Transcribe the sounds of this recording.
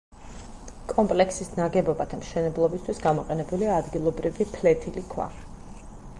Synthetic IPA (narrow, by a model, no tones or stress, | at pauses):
kʼɔmpʼlɛksisnaɡɛbɔbad̪ʰamʃɛnɛblˠɔbist̪ʰwisɡamɔqʼɛnɛbuliaːd̪ɡilˠɔbɾivipʰlɛt̪ʰilikʰwa̰